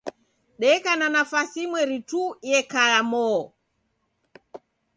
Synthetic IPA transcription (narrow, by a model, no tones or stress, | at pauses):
ɗɛkananafasimwɛɾitujɛkajamɔ